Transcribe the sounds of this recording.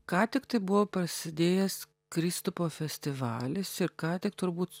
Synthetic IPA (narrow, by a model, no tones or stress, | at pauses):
kɑːt̪ʲɪkt̪ɐɪbʊʋoːpɾɐsʲɪd̪ʲeːjɛs | kɾʲɪst̪ʊpoːfʲɛsʲt̪ʲɪʋɑːlʲɪsɪɾkɑːt̪ʲɪkt̪ʊɾbuːt̪